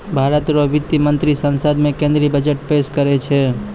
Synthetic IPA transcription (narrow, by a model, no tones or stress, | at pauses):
bʱaɾət̪ɾobit̪jimənt̪ɾisənsəd̪mẽkẽnd̪ɾibəd͡ʒəʈpeskəɾet͡ʃʰɛ